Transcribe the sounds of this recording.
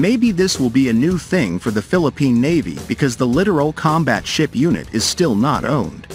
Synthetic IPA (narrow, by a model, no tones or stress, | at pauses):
meɪbiðɪswəlˠbiɨnʉθɪ̃ŋfə˞ðɨfɪlˠəpʰĩnːeɪvḭb̥ɨkʰʌzðəlɪɾə˞l̩ˠkʰɑ̃mbæ̰tʃɪpjʉnɨ̰ɾɨz̥stɪlˠnə̰ɾõ̰ʊ̃nd̥